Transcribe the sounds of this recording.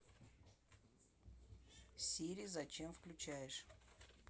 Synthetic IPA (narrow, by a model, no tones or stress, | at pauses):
sʲiɾʲijzɐt͡ɕemfklʲʉt͡ɕæjɪʂ